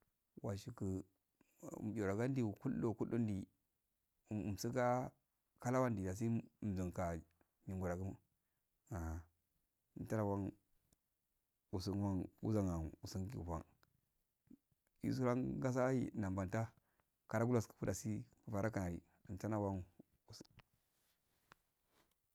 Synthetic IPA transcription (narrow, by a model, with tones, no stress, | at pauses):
wa˨ʃi˨kə˨ | o˨ɾa˨ɡa˦n˦di˦˨ku˦lːo˦˨ku˦o˦n˦di˨ | msi˦ka˦ | ka˦la˦wa˦ndi˨da˨s̬i˦˨m˨zə˨ŋka˨ | ɲi˨ŋɡu˨ɾa˨ɡu˦m˦ | a˨a˨ | nta˦na˦˨wa˦ŋ | u˨su˨nwa˦nṵ˦za˦˨ŋa˨nu˨si˦ŋ˦kḭ˨u˨wa̰˦˨ŋ | jḭ˦s̬u˦ɾa˦ŋɡa˦s̬a˦jḭ˦˨na˨mba˨nta˦ | ka˨ɾa˦ɡu˦la˦˨skə̥˨pu˦da˨si˦ku˨fa˨ɾʔa˦ka˨na˨ɾi˨ | ta˦na˦wa˦ŋ | u˨s